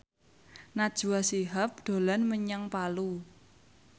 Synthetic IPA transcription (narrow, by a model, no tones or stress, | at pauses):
nad̥ʒ̥ṳwasiɦap̚ɖ̪̥o̤lanməɲaŋpalu